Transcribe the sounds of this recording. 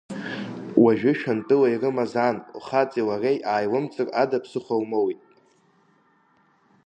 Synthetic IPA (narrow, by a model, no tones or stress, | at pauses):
waʒᶣɪʃᶣantʼɨlairɨmazanuχat͡sʼiwarejʔaːjwɨmt͡sʼɨradapʰsɨχʷawmowitʼ